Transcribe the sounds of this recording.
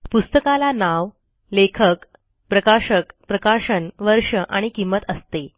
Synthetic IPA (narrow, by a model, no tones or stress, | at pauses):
pust̪əkalanaʋ | lekʰək | pɾəkaɕəkpɾəkaʂənʋəɾʂəʔaɽ̃ikimːət̪əst̪e